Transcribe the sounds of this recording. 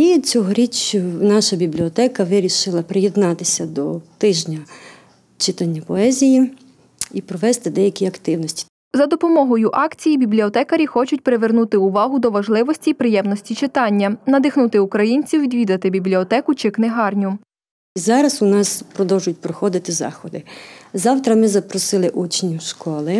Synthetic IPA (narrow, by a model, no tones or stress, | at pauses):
it͡sʲɔɦɔɾʲit͡ʃːʊnɑʃɐbʲiblʲiɔt̪ɛkɐʋɪɾʲiʃɪlˠɐpɾɪjed̪nɑt̪ɪsʲɐd̪ɔt̪ɪʒnʲɐ | t͡ʃɪt̪ɑnʲːɐpɔɛzʲiji | ipɾɔʋɛst̪ɪd̪ɛjɐkʲiɐkt̪ɪwnɔsʲtʲi̥ | zɐd̪ɔpɔmɔɦɔjʊʔɑkt͡sʲijibʲiblʲiɔt̪ɛkɐɾʲixɔt͡ʃʊt̚ʲpɾeʋernut̪ɪʊʋɑɦʊd̪ɔʋɐʒlˠɪʋɔsʲtʲipɾɪjɛmnɔsʲtʲit͡ʃɪt̪ɑnʲːɐnɐd̪ɪxnut̪ɪʊkɾɐjinʲt͡sʲiwʋʲid̪ʲʋʲid̪ɐt̪ɪbʲiblʲiɔt̪ɛkʊt͡ʃɪknɪɦɑrnʲʊ | izɑɾɐsʊnɑspɾɔd̪ɔwʒʊjʊt̚ʲpɾɔxɔd̪ɪt̪ɪzɑ̰xɔd̪ɪzɑwt̪ɾɐmɪzɐpɾɔsɪlˠɪʔut͡ʃnʲiwʃkɔlˠɪ